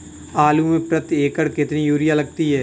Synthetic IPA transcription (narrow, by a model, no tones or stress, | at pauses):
aːlumẽpɾət̪eːkəɽkɪt̪nijuːɾɪjalɐɡ̚t̪iɦɛː